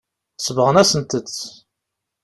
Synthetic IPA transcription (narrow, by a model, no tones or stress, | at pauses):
səvʁənæsənt̪ət͡sː